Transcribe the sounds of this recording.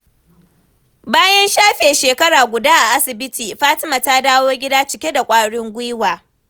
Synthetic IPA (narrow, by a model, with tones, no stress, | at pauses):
baː˦jɐ˦nʃaː˦ɸeː˨ʃeː˨kɐ˦ɽaː˨ɡʷʊ˨daː˦ʔa˨ʔa˦sɪ˨bɪ˦tiː˨ɸaː˦tɪ˦ma˨ta˦daː˦woː˦ɡʲɪ˦daː˦t͡ʃɪ˦kʲe˦da˨kʷʼaː˦ɽɪ˦ŋɡʷʊ˦waː˨